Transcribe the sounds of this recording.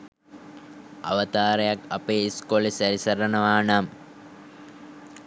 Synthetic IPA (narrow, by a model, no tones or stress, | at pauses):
a̰ʋət̪aːɾəjaka̰peːiskolisæɾisɐɾənəʋaːnam